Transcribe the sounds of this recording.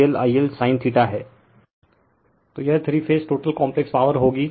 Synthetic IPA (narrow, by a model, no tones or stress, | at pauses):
əlaːiəlsaːɪ̃nt̪ʰiʈaɦɛː | t̪oːjɛɦt̪ʰɾifʰeːsʈoːʈəlkɔ̃ːmplɛkspaːʋəɾɦoːɡiː